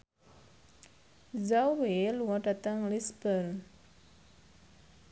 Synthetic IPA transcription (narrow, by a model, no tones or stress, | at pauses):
zaweluãɖat̪aŋlisbəl